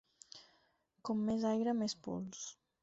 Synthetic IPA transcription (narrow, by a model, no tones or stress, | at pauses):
kɔmːezajɾəmespṵlˠs